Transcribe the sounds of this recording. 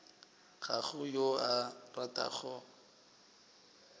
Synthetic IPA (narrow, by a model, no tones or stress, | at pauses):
ɣaχʊjoaratʼa̰χɔ